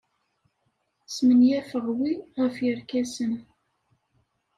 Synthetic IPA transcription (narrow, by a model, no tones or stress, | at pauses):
smənjæfəʁwiʁəfjəɾkæsən